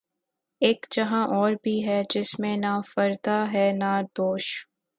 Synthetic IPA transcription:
eːkd͡ʒɐɦãʔɔːɾbʱiɦɛd͡ʒɪsmẽnaːfɐɾd̪aɦɛnaːd̪oːʃ

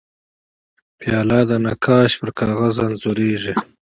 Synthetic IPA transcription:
pʰjɑːlɑd̪anakʰɑːʃpəɾkʰɑːɣazanzoɾeːʐi

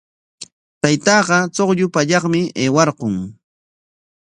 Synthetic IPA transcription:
t̪ajt̪ɑːɢɑt͡soqʎʊpaʎɑχmɪeːwɑɾɢʊŋ

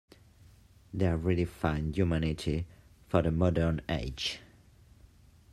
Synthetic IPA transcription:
ðeɔɹilifãɪ̃ndjumanɪtʰifəðəmɔdə˞neɪ̥d͡ʒ

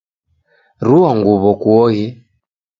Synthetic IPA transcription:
ɾuaŋɡuβɔkuɔɣi

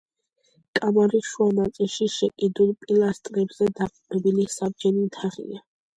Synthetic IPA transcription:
kʼamaɾiʃuanat̪sʼilʃiʃɛkʼid̪ulˠpʼilˠast̪ʼɾɛbz̥ɛd̪aqʼupʼɛbilisabd͡ʒɛnimt̪ʰaʁḭa

